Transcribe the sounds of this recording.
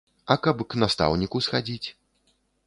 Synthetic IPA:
ɐkɐpknast̪a̰wnʲikusxad͡zʲit͡sʲ

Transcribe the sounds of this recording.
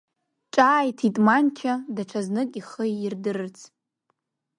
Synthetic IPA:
ʈ͡ʂʼaːjtʰitʼmant͡ʃʰadaʈ͡ʂʰaznɨkʼiχəjirdɨrɨt͡sʰ

